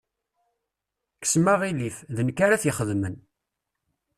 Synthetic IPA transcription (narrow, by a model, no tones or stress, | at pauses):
kə̥smaʁilifðənkːaɾaθjəχəðmən